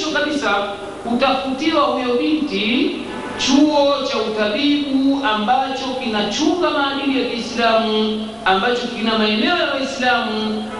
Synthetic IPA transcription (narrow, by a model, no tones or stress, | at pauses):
t͡ʃɔkaɓisa | utafutiwahujɔɓinti | t͡ʃuɔt͡ʃautaɓiɓuambat͡ʃɔkinat͡ʃuŋɡamaːdilijakiislamu | ambat͡ʃɔkinamaɛmɛɔjawaislamu